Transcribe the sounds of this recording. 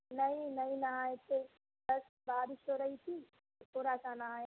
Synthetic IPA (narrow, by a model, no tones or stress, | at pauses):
nɐɦĩnɐɦĩnɐɦaːet̪e | ɐs | baːɾɪʃoɾɐɦit̪ʰiː | puɾasanɐɦaː